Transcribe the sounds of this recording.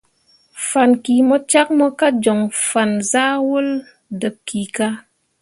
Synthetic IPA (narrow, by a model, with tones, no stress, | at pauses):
fa˨nki˨mɔ˦t͡ʃa˦k̚mɔ˦ka˦d͡ʒɔ˨ŋfa˨nza˦wo˦l | də˨p̚ki˨ka˦